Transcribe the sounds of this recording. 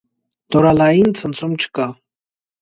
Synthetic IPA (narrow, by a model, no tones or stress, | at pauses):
t̪oɾalaint͡sʰənt͡sʰomt͡ɕʰka